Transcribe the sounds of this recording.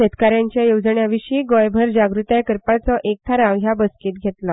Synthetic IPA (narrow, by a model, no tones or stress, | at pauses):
ɕet̪kaɾjãɲt͡ɕjajowd͡zəɳjaʋiɕiːɡɔjbʱəɾd͡ʑaɡɾut̪jajkəɾpat͡sɔʔek̚t̪ʰaɾãwɦjabəskiːt̪ɡʱet̪la